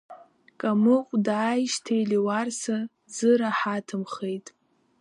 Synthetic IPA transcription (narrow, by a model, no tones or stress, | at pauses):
kʼamɨqʷʼdaːjʃtʰejliwarsa | d͡zɨɾaħatʰɨmχejtʼ